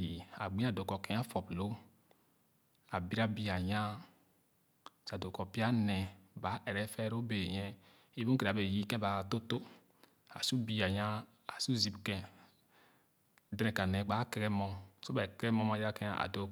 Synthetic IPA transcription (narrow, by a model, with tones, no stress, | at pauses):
i˨a̰˨ɡ͡bĩ˦a˨do˨kɔ˨kɛ˦a˦fɔ˨plo˦ | a˨bi˦ɾa˦bi˦a˨ɲã˦˨ | sa˨do˨kɔ˨pi˦a˦nɛ̃˨ba˨˦ʔɛ˨ɾɛ˦fɛ˦ɾo˦be˨ɲɛ̃˦ | e˦bu˦ke˨ɾbe˨ji˦kɛ̃˦ba˨˦˨to˦to˦ | a̰˨su˦bi˦a˨ɲã˦ | a˨su˦zi˨bkɛ̃˨ | dɾɛ̃˨ka˨nɛ̃˨k͡pa˨˦kɛ˦ɡɛ˦mɔ˦mso˦ba˨kɛ˦ɛ˦mɔ̃˦ma˨ja˦kɛ˦a˦a̰˨do˨